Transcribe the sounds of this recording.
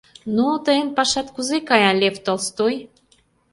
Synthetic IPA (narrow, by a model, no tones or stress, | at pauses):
nut̪əənpɑʃɑt̪kuzekɑjɑlʲeft̪olst̪oj